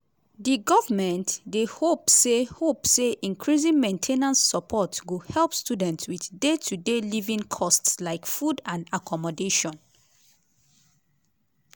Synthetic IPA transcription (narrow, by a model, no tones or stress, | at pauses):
diɡɔvamɛ̃ntdehopsehopseʔĩnkʰɹizĩŋmẽntʰenãnsːɔpʰɔtɡuhɛlpstudɛ̃ntswiðdetʰudelivĩŋkʰɔstslaɪkfudãnakʰɔmɔdeʃɔ̃n